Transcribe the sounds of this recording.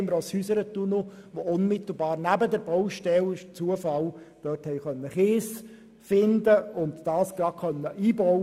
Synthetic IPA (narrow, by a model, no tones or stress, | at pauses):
məɾoshysəɾət̪unoʋoʊnmɪt̪l̩bɑːɾnæbədəɾbɔwʃtɛlt͡suəfɑl | d̥œrthɛɪχœnːəχeːs | fɪnd̪əʊnt̪d̥ɑːsɡ̥ɾɑkʰœnːəʔiːbɔ